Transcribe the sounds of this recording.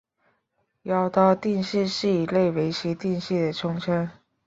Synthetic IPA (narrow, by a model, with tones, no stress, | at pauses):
jɑ˥ʊt̪ɑ˥˧ʊt̪i˥˧nʂɻ̩˥˧ʂɻ̩˥˩i˨˩le˥˩ɪwe˧˥ɪt͡ɕʰi˧˥t̪i˥˧nʂi˥˩d̪ə˩ʈ͡ʂʰʊ˥ŋʈ͡ʂʰə˥n